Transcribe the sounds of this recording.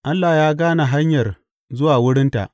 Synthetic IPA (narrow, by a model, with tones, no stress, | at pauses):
ʔa˦lːa˨jaː˦ɡaː˦na˨ɦa˦ɲjɐ˨r | zʊ˦waː˨wʊ˦ɽɪ˦nta̰˨ʔ